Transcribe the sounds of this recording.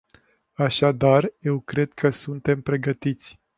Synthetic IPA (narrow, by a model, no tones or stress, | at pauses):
aʃad̪arje̞wkɾe̞d̪kʰəsunt̪e̞mpɾe̞ɡət̪it̪sʲ